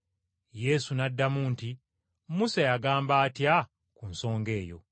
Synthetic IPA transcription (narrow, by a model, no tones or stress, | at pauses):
je̞sunadːamunti | musajaɡaːmbaːtja | kunso̞ːŋɡe̞ːjo̰